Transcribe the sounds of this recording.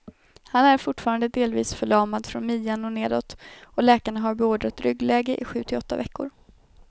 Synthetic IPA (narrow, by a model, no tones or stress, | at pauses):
hanæɾfʊʈfɑːɾand̪əd̪eːlviːsfœɭɑːmad̪fɾɔ̰nmiːanɔneːd̪ɔ̰t̪ːɔlɛːkaɳaɦaɾbɛoːɖ̪ɾat̪ɾʏɡlɛːɡəʔɪɧʉ̟ːt̪ʰɪɔt̪ːa̰vɛkːʊɾ